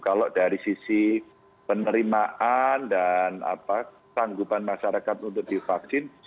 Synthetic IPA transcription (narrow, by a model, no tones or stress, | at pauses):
kaloʔdaɾisisi | pənəɾimaʔandana̰pa | saŋɡupanmaʃaɾakat̪unt̪̬ʊk̚d̥ifaksɪn